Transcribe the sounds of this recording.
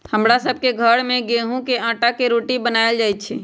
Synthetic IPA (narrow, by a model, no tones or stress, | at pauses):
həmɾasəbʱkeɡʱəɾmẽɡeɦũkeãːʈakeɾoːʈibənaːjəld͡ʒaːjt̪t͡ʃʰɛ